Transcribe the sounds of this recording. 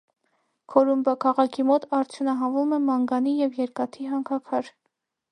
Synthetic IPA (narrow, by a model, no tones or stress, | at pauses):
kʰɔɾumbɑkʰɑʁɑkʰimɔt̪ʰɑɾt͡s̪ʰjunɑɦɑvumɛmɑŋɡɑnijɛvjɛɾkɑt̪ʰiɦɑŋkʰɑkʰɑɾ